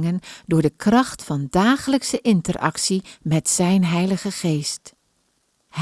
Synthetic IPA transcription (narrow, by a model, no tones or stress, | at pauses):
ŋəndʊːɹdəkrɑχtfɑndaːχələksəʔɪntərʔɑ̰ksimɛtsɛjnɦɛjləχəχejst | h